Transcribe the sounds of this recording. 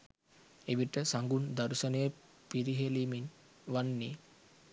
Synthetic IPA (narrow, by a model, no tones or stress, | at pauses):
eʋiʈəsaŋɡund̪aɾusənejə | piɾiɦelimin | ʋanːi